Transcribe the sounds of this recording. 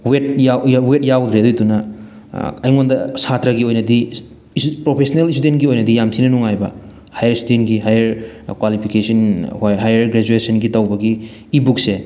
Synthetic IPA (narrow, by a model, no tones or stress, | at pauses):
wet̚jajwet̚jawd̪ɾedojtunɐ | ɐjŋondɐsatɾɐɡiojnɐdi | pɾopʰesɐnelistudentɡiojnɐdijamtʰinɐnuŋajbɐ | hajɐɾistudentɡiɦajɐɾkwalipʰikesɐnhjɦajɐɾɡɾed͡ʒuesɐnɡitɐwbɐɡiː | buk̚se